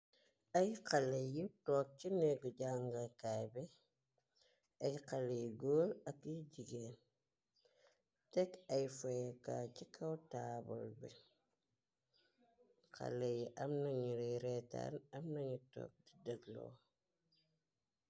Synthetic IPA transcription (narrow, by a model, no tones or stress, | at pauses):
ajqalejitoːk̚t͡ʃineɡuɟaŋɡakajbɛ | ajqalejɡoːlɐkiɟiɡeːn | tɛkɐjfojekacikʰawtabo̰lbɛ | qa̰lejiʔɐmnaɲiɾiɾeta̰nɐmnɐɲito̰k̚didɐɡlo̰